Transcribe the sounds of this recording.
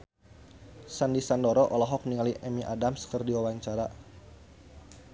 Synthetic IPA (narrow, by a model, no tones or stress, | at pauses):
sandisandɔɾɔʔɔlɔɦɔk̚niŋaliʔɛmiʔadamskərdiwawaɲt͡ʃaɾa